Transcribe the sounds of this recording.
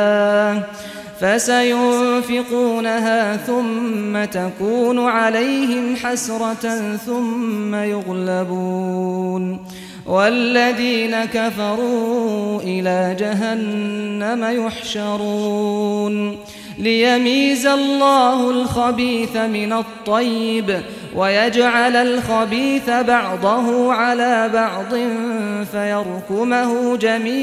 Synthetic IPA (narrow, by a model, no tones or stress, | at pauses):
fasajʊnfɪquːnaɦaːθʊmːat̪akuːnʊʕalajɦɪmħasɾˤɑtθʊmːajʊɣlabuːn | walːaðiːnakafɑɾˤuːʔɪlaːd͡ʒaɦanːamajʊħʃɑɾˤuːn | lɪjamiːzalːɑːhʊlxabiːθamɪnat̪ˤːɑjːɪb | wʔajad͡ʒʕalalxabiːθabɑʕd̪ˤɑɦʊʕalaːbɑʕd̪ˤɨnfajɑɾˤkʊmahʊd͡ʒamiː